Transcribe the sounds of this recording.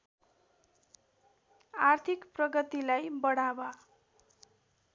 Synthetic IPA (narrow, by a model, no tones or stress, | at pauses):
art̪ʰikprʌɡʌt̪ilajbʌɽawa